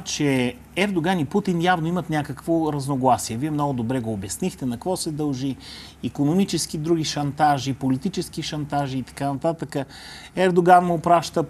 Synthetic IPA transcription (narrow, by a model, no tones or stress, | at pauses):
t͡ʃɛ | ɛɾd̪oɡaniput̪injavnoimət̪nʲakəkvoɾɐznoɡlˠasiɛviɛmnɔɡʊd̪obɾɛɡoːbjɐsnixt̪ɛnɐkvɔsɛd̪ɐlˠʒiː | konomit͡ʃɛsk̟id̪ɾuɡ̟iʃɐnt̪aʒipolit̪it͡ʃɛsk̟iʃɐnt̪aʒiːt̪ɐ̥kanɐt̪at̪əkə | ɛɾd̪oɡanmʊːpɾaʃt̪ə